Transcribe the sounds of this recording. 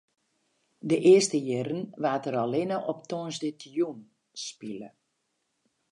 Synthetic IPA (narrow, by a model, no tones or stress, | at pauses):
dəʔɪəstəjɪɾənʋaːtəɾalenəʔɔptoːnzdətʰjun | spilə̰